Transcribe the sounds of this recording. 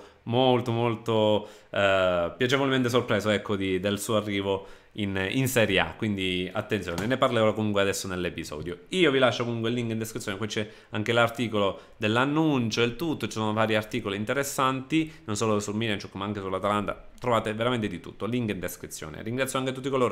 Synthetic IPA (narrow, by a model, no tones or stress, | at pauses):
molt̪omolt̪o | pjat͡ʃevolement̪es̬orpɾɛːzoɛkːod̪id̪elsuːoarːiːvo | ininsɛɾjea̰kːwind̪ia̰t̪ːent̪sjoːneneparleːvolakomuŋkwead̪ɛsːonelːepizɔ̰ːd̪joiːovilaʃːokomuŋkweilːiŋkint̪eskɾit̪ːjoːnekwit͡ʃɛ | aŋk̟elart̪iːkolo | d̪elːanːunt͡ʃod̪elt̪ut̪ːot͡ʃisoːnovaːɾjiart̪iːkoliːnt̪eɾesːant̪inonsoːlosulmilant͡ʃukːmaaŋkesulːat̪alant̪a̰ | t̪ɾovaːt̪eveɾament̪ed̪it̪ṵt̪ːoliŋkint̪eskɾit̪sːjo̰ːnḛriŋɡɾat̪ːjoaŋket̪ut̪ːikoloːɾ